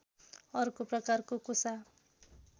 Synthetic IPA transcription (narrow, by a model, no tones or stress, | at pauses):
ʌrkoprʌkarkokosa